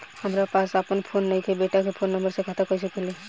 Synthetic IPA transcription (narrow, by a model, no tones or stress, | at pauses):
həmɾapasapənpʰonːaĩk̪ʰebeʈakepʰonːəmbəɾsekʰat̪akəis̬ekele